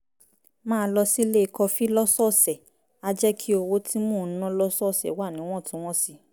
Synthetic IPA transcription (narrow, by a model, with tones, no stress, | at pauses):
mãː˦˧˦lɔ˧si˦le˦˨˧kɔ˧fi˦lɔ˦sɔ˦˨sɛ˨ | a˦d͡ʒɛ˦kʰi˦o˧wo˦ti˦mũ˦˨˦nã˦lɔ˦sɔ˦˨sɛ̰˨˦wa˦˨nĩ˨˦w̃ɔ̃˦˨tũ˨˦w̃ɔ̃˦si˧